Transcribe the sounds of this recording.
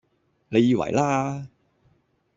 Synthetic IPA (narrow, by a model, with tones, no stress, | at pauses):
ne˨˧jiː˧wɐ̰˨˩jlaː˥